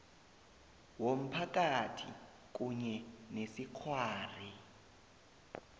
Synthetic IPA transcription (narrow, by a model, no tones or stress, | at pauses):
wom̩pʰak̬ʼatʰḭ | k̬ʼuɲɛnesikʰwaːri